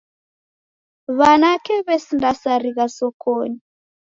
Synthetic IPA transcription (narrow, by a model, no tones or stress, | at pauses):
βanakɛβɛsindasaɾiɣasɔkʰoːni